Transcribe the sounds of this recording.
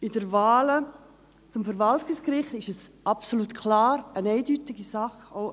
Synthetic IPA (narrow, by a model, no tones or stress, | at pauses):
ɪdəɾvaːlə | t͡sʊmfəɾvɑltɪskɾɪχtɪʃɛsʔɑpsoluːtkʰlaːɾənɛɪdytɪɡ̥isaχoʊ